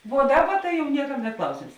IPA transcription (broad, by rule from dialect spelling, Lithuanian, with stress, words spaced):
ʋuɔ ˈdɑːˌbɐ tɐ jɛʊ ˈnʲiɛkɐm nʲɛt ˈklˠɐʊsʲeːms